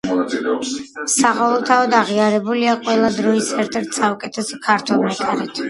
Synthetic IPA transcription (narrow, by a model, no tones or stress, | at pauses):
saʁalˠɔt̪ʰaɔd̪aʁiaɾɛbuliaqʼwɛlˠad̪ɾɔisɛɾt̪ʰɛɾt̪ʰsaɔkʼɛt̪ʰɛsɔkʰaɾt̪ʰwɛlˠmɛkʼaɾɛt̪ʰ